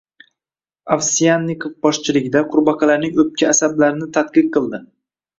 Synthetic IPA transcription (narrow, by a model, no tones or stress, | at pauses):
afsijanːikʰofbɒʃt͡ʃʰɪlɪɡʲd̪aqʰʊɾbɑqʰɑlaɾnɪŋɵp̚kʲʰaːsablaɾɪnɪt̪ʰat̪̚qɨq̚qʰːɨlˠd̪ɪ